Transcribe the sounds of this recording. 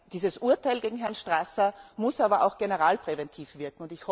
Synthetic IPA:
d̥iːzəsʔuɐtʰaɪlɡeːɡŋ̩ɦɛɐnʃtʁ̥asɐmʊsaːbɐʔa̰ʊxɡ̥enəʁaːlpʁ̥evɛntʰiːfv̥ɪɐkŋ̩ʊntɪçhɔ

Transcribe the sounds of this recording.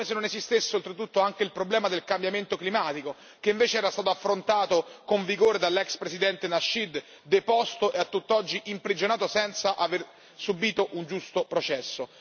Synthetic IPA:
esenːonezist̪esːeolt̪ɾet̪ːut̪ːoaŋk̟eilpɾoblɛːmad̪elkambjament̪oklimaːt̪iko | keiɱveːt͡ʃeɛːɾast̪aːt̪oafːɾont̪aːt̪okoɱviɡoːɾed̪alːɛkspɾesid̪ɛnt̪enaʃːid̪ː | epɔst̪oʔeat̪ːut̪ːɔd͡ʒːiʔimpɾid͡ʒonaːt̪osɛnt̪saʔaver | subiːt̪oʔund͡ʒust̪opɾot͡ʃɛsːo

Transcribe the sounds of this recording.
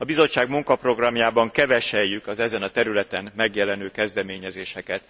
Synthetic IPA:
ɒbizo̞t͡ʃːaːɡmuŋkɒpro̞ɡrɒmjaːbɒŋkɛvɛʃɛjːykɒzɛzɛnɒt̪ɛɾylɛt̪ɛnmɛɡjɛlɛnøːkɛzd̪ɛmeːɲɛzeːʃɛkɛt̪

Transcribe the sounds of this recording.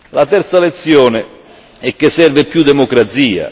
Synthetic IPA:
lat̪ɛɾt̪salet̪sjɔːnɪ | ɛkːesːɛrvɪpjud̪emokɾat̪siːa̰

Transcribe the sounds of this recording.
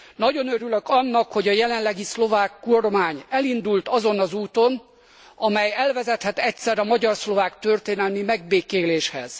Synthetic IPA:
nɒɟo̞nøɾyløkɒnːɒkho̞ɟɒjɛlɛnlɛɡislo̞vaːkːormaːɲɛlind̪ult̪ɒzo̞nɒzuːt̪on | ɒmɛjɛlvɛzɛt̪hɛt̪ɛcsɛɾɒmɒɟɒrslo̞vaːkt̪ø̞rt̪eːnɛlmimɛɡ̚beːkeːleːʃhɛ̰z̥

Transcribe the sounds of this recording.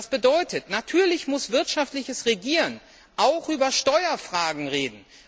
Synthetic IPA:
sb̥ədɔʏtʰətnatʰyːɐlɪçmʊsv̥ɪɐtʃaftlɪçəsʁeɡiːʁən | ʔaʊxʔyːbɐʃtɔʏɐfʁ̥aːɡŋ̩ʁeːdn̩

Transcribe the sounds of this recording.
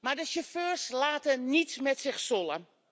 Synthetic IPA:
mardəsəføːrslaːtənitmɛtsɪxsolˠə̰n

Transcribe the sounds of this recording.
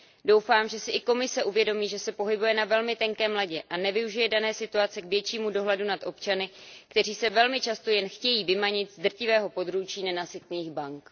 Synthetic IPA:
do̞wfaːmʒɛsɪʔɪko̞mɪsɛʔuvjɛdo̞miːʒɛsɛpo̞ɦɪbujɛnavɛlmɪt̪ɛŋkɛːmlaɟɛʔanɛvɪuʒɪjɛdanɛːsɪt̪uat͡sɛkvjɛt͡ʃiːmudo̞ɦlɛdunat̪ʔo̞pt͡ʃanɪkt̪ɛr̝iːsɛvɛlmɪt͡ʃast̪o̞jɛnxcɛjiːvɪmaɲɪt̪zd̪r̩cɪvɛːɦopo̞d̪ɾut͡ʃiːnɛnasɪt̪̚niːxbaŋk

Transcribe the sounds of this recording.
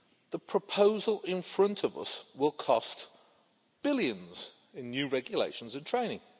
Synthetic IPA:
ðəpʰɹ̥əpʰoʊzəlˠɪ̃nfɹʌ̃ntʰəvʌ̰swɪlˠkʰɒst | b̥ɪljə̃nz̥ | ɪ̃nːjʉːɹɛɡjəlḛɪʃə̃nzɨ̃ntʰɹ̥ẽɪ̃ñɪ̰̃ŋ

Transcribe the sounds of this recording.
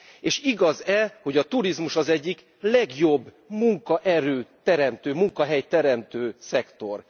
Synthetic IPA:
eːʃiɡɒzɛho̞ɟɒt̪uɾizmuʃɒzɛɟːik | lɛɡjo̞bː | muŋkɒʔɛɾøːt̪ɛɾɛmt̪øːmuŋkɒɦɛjt̪ɛɾɛmt̪øːsɛkt̪o̞r

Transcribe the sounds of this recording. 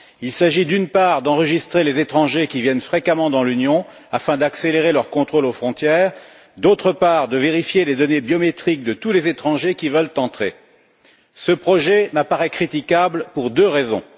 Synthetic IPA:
ilsaʒid̪ynpaʁd̪ɑ̃ʁəʒist̪χelezet̪χɑ̃ʒekʲivjɛnfχekamɑ̃d̪ɑ̃lynjɔ̃ | afɛ̃d̪akseleʁelœʁkɔ̃t̪χolofχɔ̃t̪jɛːʁ | d̪ot̪χəpaʁd̪əveʁifjeled̪ɔnebjɔmet̪χik̚d̪ət̪ulezet̪χɑ̃ʒekʲivəlt̪ɑ̃t̪χe | səpχɔʒɛməpaʁɛkχit̪ikablpuʁd̪øʁezɔ̰̃

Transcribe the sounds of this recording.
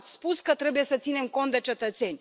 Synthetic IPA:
t̪sʲspuskət̪ɾe̞buje̞sət̪sine̞mko̞nt̪d̪e̞t͡ʃe̞t̪ət̪se̞nʲ

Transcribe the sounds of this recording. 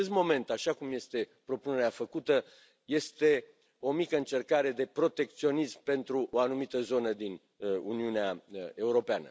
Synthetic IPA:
est̪mo̞me̞nt̪aʃakumje̞st̪e̞pɾo̞pune̞ɾeafəkut̪ə | je̞st̪e̞ | o̞mikəɨnt͡ʃe̞rkaɾe̞d̪e̞pɾo̞t̪e̞k̚t̪sio̞nismpe̞nt̪ɾuʔoanumit̪əzo̞nəd̪in | ṵniuneae̞uɾo̞peanə̰

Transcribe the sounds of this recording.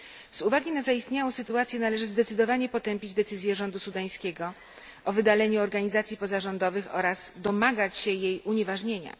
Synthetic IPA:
z̥uvaɡʲinazaist̪ɲawɔ̃w̃sɘt̪uat̪sʲjɛnalɛʐɘzd̪ɛt̪sɘd̪ɔvaɲɛpɔt̪ɛmpʲid͡ʑd̪ɛt̪sɘzʲjɛʐɔnd̪usud̪aj̃skʲeɡɔ | ʔɔvɘd̪alɛɲuɔɾɡaɲizat̪sʲipɔzaʐɔnd̪ɔvɘxɔ̰ɾaz̥d̪ɔmaɡat͡ɕɕɛjejuɲevaʐɲeɲa̰

